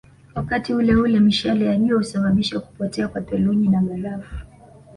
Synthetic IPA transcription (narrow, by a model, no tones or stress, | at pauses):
wakatiulɛhulɛmiʃalɛjalijɔhusaɓaɓiʃaku̥pɔtɛakwatɛluɲinamalavu